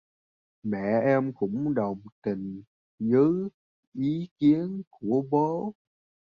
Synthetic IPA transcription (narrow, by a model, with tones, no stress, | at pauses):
mɛ̰˧˨ʔɛ˧mkʊ̰˧˥ŋ͡mɗə˨˩wŋ͡mt̪ï˨˩ŋ̟ | zɨ˨˦ | ʔi˨˦ki˨˦ənku˧˩əɓo˨˦